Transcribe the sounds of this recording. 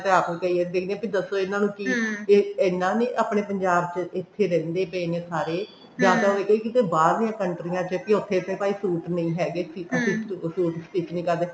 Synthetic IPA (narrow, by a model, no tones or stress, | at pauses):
t̪eaːpːkəiːɛːd̪eːkʰd̪ẽãpid̪əsoːɪnãːnũːkɪ | eːnːãːneːʔaːpɳeːpəɲd͡ʒaːbt͡ʃəɪt̪ʰːeːɾɛ̃ːnd̪eːpeneːsaːɾeː | zjaːd̪aːɦoeːkəiːkɪt̪eːbaːɾd̪ijãːkəɳʈɾijãːt͡ʃəpiʊt̪ʰːeːt̪ʰːeːpaːiːsuːʈnəĩːɦɛːɡeːsiəsĩːsuːʈsiːt͡ʃnĩːkəɾd̪eː